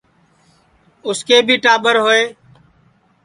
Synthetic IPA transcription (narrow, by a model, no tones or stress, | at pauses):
ʊskeːbʱiːʈaːɓəɾɦoːeː